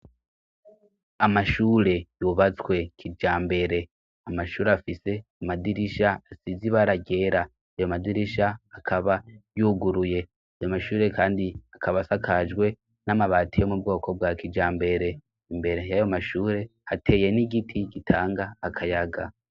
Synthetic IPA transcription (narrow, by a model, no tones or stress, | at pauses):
amaʃuːɾe̞juβat͡swe̞kʰid͡ʒaːmbe̞ɾe̞ | amaʃuːɾeafise̞amadiɾiʃaasiziβaɾaɟe̞ːɾa | ajomadiɾiʃaːkʰaβajuɡuɾuje̞ | ajomaʃuːɾe̞kaːndiakʰaβasakʰad͡ʒɡwe̞ | namaβaːtʰijemub̚ɡo̞ːkʰo̞bwaːkid͡ʒaːmbe̞ɾe̞ | imbe̞ɾe̞jajo̞maʃuːɾe̞hatʰe̞je̞niɡitʰiɡitʰaːŋɡaːkʰajaɡa